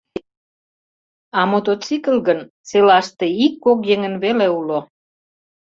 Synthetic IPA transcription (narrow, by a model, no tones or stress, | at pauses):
ɑmot̪ot͡sikəlɣən | t͡selɑʃt̪eikːokjeŋə̆nβeleulo